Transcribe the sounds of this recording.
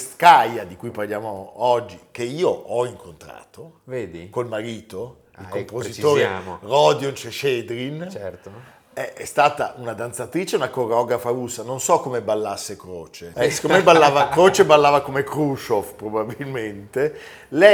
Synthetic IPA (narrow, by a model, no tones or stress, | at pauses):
skajad̪ikujparljaːmoɔd͡ʒːikeiːoʔɔiŋkʰont̪ɾa̰ːt̪oveːd̪ikolmaɾiːt̪o | ilkopozit̪oːɾeamrɔd̪jont͡ʃeʃed̪ɾint͡ʃɛro | ɛɛst̪aːt̪aʔunad̪ant̪sat̪ɾiːt͡ʃeunakoreɔɡɾafaɾusːanonsɔkːomebalːasːekɾo̰ːt͡ʃeskomebalːaːvakɾoːt͡ʃebalːaːvakomekɾut͡ʃofpɾobabilment̪e | lɛ